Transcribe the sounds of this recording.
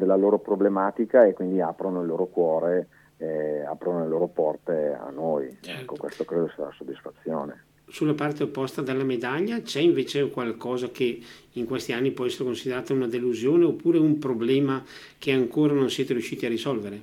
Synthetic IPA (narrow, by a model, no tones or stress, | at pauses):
d̪elːaloːɾopɾoblemaːt̪ikaekwind̪iapɾonoilːoːɾokwɔːɾe | ea̰pɾonoleloːɾopɔrt̪ea̰nːojɛkːokwest̪okɾeːd̪osaɾa̰sod̪ːisfat̪sːjoːne | sulːapart̪eopːɔst̪ad̪elːamed̪aʎːat͡ʃɛiɱveːt͡ʃekwalkɔːzakeiŋkwest̪ianːipwɔɛsːeɾekonsid̪eɾaːt̪aunad̪eluzjoːneopːuːɾeumpɾoblɛːma | k̟eaŋkoːɾanonsjɛːt̪eɾijuʃːiːt̪iarisɔlveɾe